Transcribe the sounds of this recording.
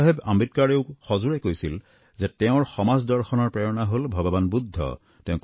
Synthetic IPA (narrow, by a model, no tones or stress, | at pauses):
ɦeba̰mbit̚kaɹeʊxɔzuɹɛkojsil | zɛtɛʊ̃ɹxɔmazdɔɹxɔnɔɹpɹɛɹɔnaɦolbʱɔɡɔbanbud̪ʱːɔ̰ | tɛ̃ʊ̃k